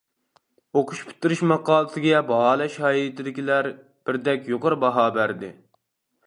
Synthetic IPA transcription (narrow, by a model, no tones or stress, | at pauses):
oqʰʊʃpʰi̥t̪ːɪɾɪʃmɑqʰɑːlˠɨsɪɡʲɛbɑɦɑːlˠɛʃhɑːit̪ʰɪd̪ɪkʲilæɾ | b̥ɪɾd̪ɛkʲjoqəɾbɑɦɑːbæɾd̪ɪ̰